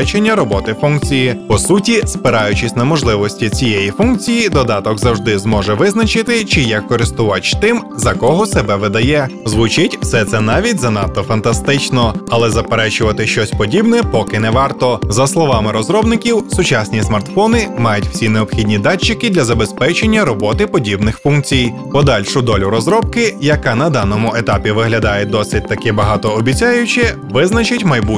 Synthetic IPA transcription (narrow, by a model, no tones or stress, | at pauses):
t͡ʃenʲːɐɾɔbɔt̪ɪfunkt͡sʲijipɔsutʲispɪɾɑjʊt͡ʃɪsʲnɐmɔʒlˠɪʋɔsʲtʲit͡sʲijejifunk̚t͡sʲijid̪ɔd̪ɑt̪ɔɡzɐwʐd̪ɪzmɔʒɛʋɪznɐt͡ʃɪt̪ɪt͡ʃɪjɐkːɔɾɪst̪ʊʋɑt͡ʃt̪ɪmzɐkɔɦɔsɛbɛʋɪd̪ɐjɛzʋʊt͡ʃɪtʲw̥sɛt̪sɛnɑʋʲidʲzɐnɑt̪ːɔfɐnt̪ɐst̪ɪt͡ʃnɔɐlˠɛzɐpeɾɛt͡ʃʊʋɐt̪ɪʃt͡ʃɔsʲpɔdʲibnɛpɔkɪnɛʋɑrt̪ɔzɐslˠɔʋɑmɪɾɔzɾɔbnɪkʲiwsʊt͡ʃɑsʲnʲismɐrt̪fɔnɪmɑjʊtʲw̥sʲineɔbxʲidʲnʲid̪ɑt͡ʃːɪkɪd̪lʲɐzɐbespɛt͡ʃenʲːɐɾɔbɔt̪ɪpɔdʲibnɪxfunk̚t͡sʲij | pɔd̪ɑlʲʃʊd̪ɔlʲʊɾɔzɾɔb̚kɪjɐkɑnɐd̪ɑnɔmʊet̪ɑpʲiʋɪɦlʲɐd̪ɑjɛd̪ɔsɪt̚ʲt̪ɐkɪbɐɦɑt̪ɔːbʲit͡sʲajʊt͡ʃɪ | ʋɪznɐt͡ʃɪtʲmɐjbu